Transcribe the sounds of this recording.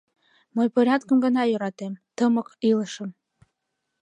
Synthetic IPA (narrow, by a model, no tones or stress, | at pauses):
məjpoɾʲat̪kə̆mɡənɑjyɾɑt̪emt̪əmə̆kiləʃə̆m